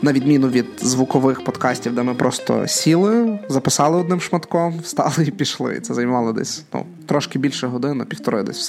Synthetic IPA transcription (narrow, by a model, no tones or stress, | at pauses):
nɐʋʲid̪mʲinʊʋʲid̪zʋukɔʋɪxpɔd̪kɑsʲtʲiwd̪ɛmɪpɾʔɔst̪ɔ̰sʲilˠɪzɐpɪsɑlˠɪɔd̪̚nɪmʃmɐt̪kɔmst̪ɑ̰lˠɪipʲiʃlˠɪ̰ḭt̪sɛzɐjmɑlˠɔd̪ɛ̰sʲnṵ | t̪ɾɔʃkɪbʲilʲʃɛɦɔd̪ɪnʊpʲift̪ɔɾɪ̰jd̪ɛ̰sʲws